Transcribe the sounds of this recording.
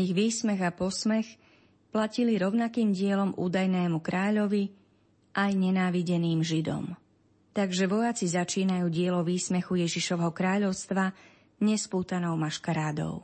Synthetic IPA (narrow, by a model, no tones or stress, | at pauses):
iɣʋiːsmɛɣapɔsmɛx | placiliɾɔʊnakiːmɟɪɛlɔmʔṵːd̪ajnɛːmukɾaːʎɔʋi | ʔajɲɛnaːʋiɟɛniːmʒid̪ɔ̰m | t̪aɡʒɛʋɔjat͡sizat͡ʃiːnajuːɟɪɛlɔʋiːsmɛxujɛʒiʃɔʋɛɦɔkɾaːʎɔʊst̪ʋa | ɲɛspuːt̪anɔʊmaʃkaɾaːd̪ɔ̰ʊ